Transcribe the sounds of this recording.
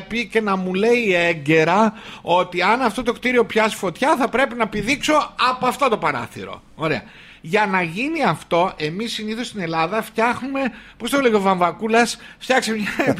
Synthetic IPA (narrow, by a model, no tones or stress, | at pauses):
pice̞nɐmule̞ieɟe̞ɾɐo̞t̪iɐnɐft̪o̞t̪o̞kt̪iɾio̞pçɐsi̥fo̞t̪çɐθɐpɾe̞pinɐepiðikso̞ɐpoɐft̪o̞t̪opɐɾɐ̰θḭɾo̞̰ | oɾe̞ɐ̰ | ʝɐnɐʝiniɐft̪o̞ʔe̞misːiniθo̞st̪ine̞lɐðɐft̪çɐxnume̞po̞st̪ole̞iovɐɱvɐkulɐsft̪çɐksemɲɐ